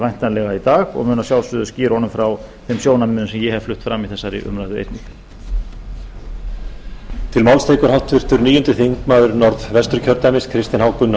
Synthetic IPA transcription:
vajn̥t̪anlɛɣait̪aːɣɔ̰ɣmʏːnasjawlsʏðʏsciːɾɔnʏmfɾaw | θemsjoːwnamɪnʏmsɛmjɛhɛv̥flʏht̪fɾamːiθɛsːaɾɪ̰ʔʏ̰mɾajðʏḛjt̪nɪx | t̪ʰɪlmawlst̪ejkʏɾ̥hawt̪vɪr̥t̪ʏɾniːjʏnt̪ɪθiŋkmaːðʏɾnɔɾðvɛst̪ʏɾ̥cʰœɾt̪ɛmɪskʰɾɪst̪ɪnhawkʏnːa

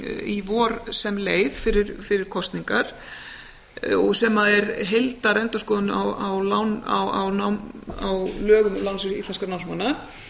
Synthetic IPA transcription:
ivɔɾsɛmleːjðfɪɾɪɾfɪɾɪɾ̥kʰɔst̪niŋkaɾ̥ | ɔɣsɛmaðɛɾɦelt̪aɾɛnt̪ʏ̥skɔːðʏnawawlawna̰wa̰wnawawlœːɣʏmlawnsɪsist̪lɛnskaɾnawmsmanːa

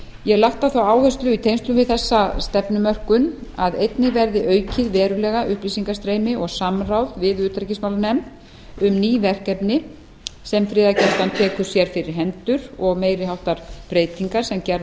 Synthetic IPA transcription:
jɛɣlaht̪aθawaːwhœst̪lʏit̪ʰejnst̪lʏmvɪðθɛsːast̪ɛpnʏmœr̥kʏnaðejt̪nɪɣvɛɾðɪʔœːɥcʰɪðvɛːɾʏlɛːɣaʔʏhplisiŋkast̪ɾeːjmɪʔɔɣsamrawðvɪðʏːt̪ɾacɪsmawlanɛmt̪ | ʏmniːvɛr̥kɛpnɪ | sɛmfɾɪːðacɛr̥t̪ant̪ʰɛːkʏ̥sjɛɾ̥fɪɾɪɾ̥ɦɛnt̪ʏɾ̥ɔɣmeːjɾɪɦawht̪aɾ̥pɾeːjt̪iŋkaɾ̥sɛmcɛɾ

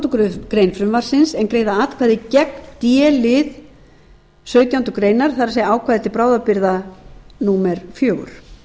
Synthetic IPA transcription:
t̪ukɾʏkɾejnfɾʏmvaɾ̥sɪnsɛnkɾeːjðaaːt̪kʰvaːðɪcɛknt̪jɛːlɪð | sœːɥt̪jawnt̪ʏkɾeːjnaɾ̥θaðɾaɾseːjaaːwkʰvaːðɛt̪ːɪpɾaːwðapɪɾðanuːmɛɾfjœːɣʏ̰ɾ̥

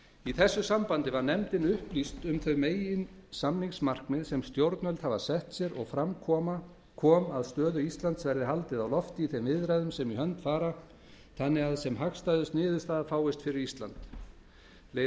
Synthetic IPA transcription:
iθɛsːʏsampant̪ɪvaɾnɛmt̪ɪnʏhplist̪ʏmθœɥmeːjɪnsamniŋsmar̥kmɪðsɛmst̪jowɾt̪nœlt̪havasɛht̪sjɛɾɔ̰ɣfɾamkʰɔːma | kʰɔːmaðst̪œːðʏist̪lant̪svɛɾðɪɦalt̪ɪðawlɔft̪ɪiθejmvɪðɾajðʏmsɛmiɦœnt̪faːɾa | t̪ʰanːɪɣaðsɛmɦakst̪ajðʏst̪nɪːðʏst̪aːðafaːwɪst̪fɪɾɪɾist̪lant̪ | le

